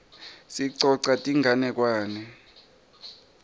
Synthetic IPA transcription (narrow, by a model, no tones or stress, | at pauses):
siǀɔǀatʼiŋʱanɛk̬waːnɛ